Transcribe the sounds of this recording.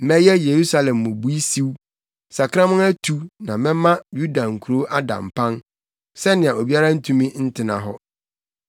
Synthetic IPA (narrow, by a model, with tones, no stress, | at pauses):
mɛ̃˦jɛ˦je˨ɾu˦sa˦lɛ̃˨mːʊ̃˨bu˦i˦si˦w | sa˨kʰã˦mʊ̃˦næ˦tʰu˨˦nã˨mɛ̃˦mã˦ju˦da˨ŋ̩˨kʰu˨ɾo˦ʔa˦dã̰˨m˨pʰã˦n | sɛ˦nɪ̃˨a˨o˨bi˦a˦ɾã˦n̩˦tʰũ˦mĩ˦n̩˦tʰɪ˨nã̰˨ɦɔ˦